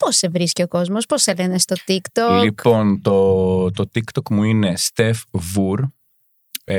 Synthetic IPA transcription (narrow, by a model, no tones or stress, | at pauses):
pose̞vɾisceo̞ko̞zmo̞spo̞selenest̪ot̪ikt̪olikpo̞nt̪ot̪o̞t̪ikt̪okmuine̞st̪e̞fvuɾ